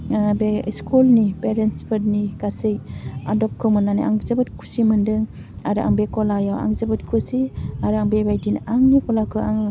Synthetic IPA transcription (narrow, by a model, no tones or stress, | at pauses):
beskʰulnipeɾenspʰɯtnikasɯja̰dɔp̚kʰɯmɯnːaniʔaŋzəbɯt̚kʰu̥simɯndɯŋ | aɾɯʔa̰ŋbekɔlajawa̰ŋzəbɯtkʰusiaɾɯaŋbebajdinaŋnikɔlakʰɯaŋɯ